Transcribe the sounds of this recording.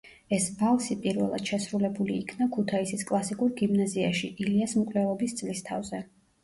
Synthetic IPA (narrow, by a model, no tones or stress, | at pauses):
ɛsbalˠsipʼiɾvɛ̰lˠa̰d̪̥ʃɛsɾulɛbuliːkʰnakʰut̪ʰaisiskʼlˠasikʼuɾɡimnaziaʃiʔiliasmkʼlɛlˠɔbist̪sʼlist̪ʰa̰vzɛ